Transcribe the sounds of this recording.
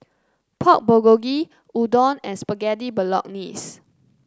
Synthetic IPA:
pʰɔk̚boɡoɡi | udɔ̃nɛ̃nspəɡɛdibəlɔ̰k̚nis

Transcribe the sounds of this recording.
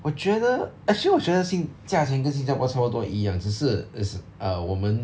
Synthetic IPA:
wɔt͡ɕɥɛd̪əəʂiwɔt͡ɕɥɛd̪əɕiŋt͡ɕjat͡ɕʰjɛŋk̬ənɕ̬int͡ɕjapwɔpt̪ɔijɑŋʈ͡ʂɻ̩ʂɻ̩ʂəwɔmən

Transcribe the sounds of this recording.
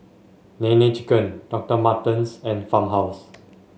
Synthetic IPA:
nɛ̃nɛt͡ʃikə̃nd̥ɔk̚təmatə̃nsɛ̃nfãmɦaws

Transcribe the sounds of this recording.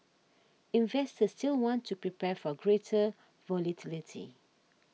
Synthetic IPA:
ĩnvɛstəsstilwɔ̃ntʰːupɹipʰɛfɔɡɹetʰə | vɔlatʰilitʰḭ

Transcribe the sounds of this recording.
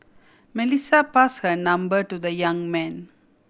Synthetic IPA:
mɛlisapashənãmbəʈud̪əjãŋmɛ̃n

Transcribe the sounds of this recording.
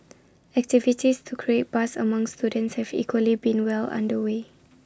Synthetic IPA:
ɛk̚tivitistʰukʰɹiet̚b̥asə̰mãŋstudə̃ntshɛvḭkwəlibĩnwɛlã̰ndəwe

